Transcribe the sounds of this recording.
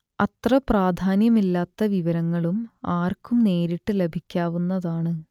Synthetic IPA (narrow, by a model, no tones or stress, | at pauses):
ɐt̪rɐpraːd̪ʱaːnjɐmilːaːt̪ːɐʋiʋɐɾɐŋːɐɭumaːrkumne̞ːɾiʈːɨle̞bʱikʲːaːʋunːɐðaːɳɨ